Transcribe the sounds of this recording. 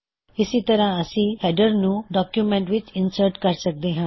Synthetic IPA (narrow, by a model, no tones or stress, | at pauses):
isit̪əɾãəsĩhɛɖəɾnũɖɔkjumẽɳʈʋit͡ʃinsəɾʈkaɾsək̚d̪ẽɦã